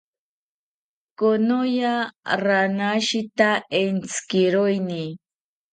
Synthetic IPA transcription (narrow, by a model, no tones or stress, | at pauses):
konojaɾanaʃɪt̪aent͡skɪɾojni